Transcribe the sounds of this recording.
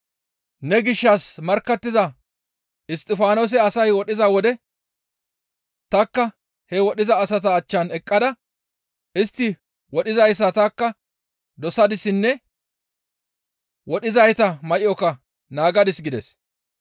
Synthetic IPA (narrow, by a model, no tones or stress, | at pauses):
nɛɡɪʃːɐsmɐɾkːɐt̪ːɪzɐ | ɪst̪ʼːɪfaːnoːs̬ɛɐsɐjwɔɗɪzɐwɔd̪ɛ | t̪ɐkːɐ | hɛwɔɗɪzɐːsɐt̪ɐːt͡ʃːɐnɛkʼːɐd̪ɐ | ɪst̪ːɪ | wɔɗɪzɐjsːɐt̪ɐkːɐ | d̪ɔsɐd̪ɪsːɪnːɛ | wɔɗɪzɐjt̪ɐmɐʔɪɔkɐ | naːɡɐd̪ɪsɡɪd̪ɛs